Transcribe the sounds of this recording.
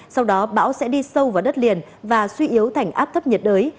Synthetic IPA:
sa˧wɗɔ˨˦ɓa̰ː˧˥wsɛ̰˧˥ɗi˧sə˧wvaː˨˩wɗə˦˥t̚li˨˩ən | vaː˨˩swi˧ʔi˨˦əwt̪ʰa˨˩jŋ̟ʔaː˦˥p̚t̪ʰə˦˥p̚ɲə˨˩t̚ɗəː˨˦j

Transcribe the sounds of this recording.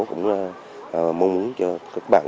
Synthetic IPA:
kʊ̰˧˥wŋ͡m | ʔə˨˩mə˧wŋ͡mmu˨˦ənt͡ɕɔ˧ka˦˥k̚ɓa̰ː˧˩n

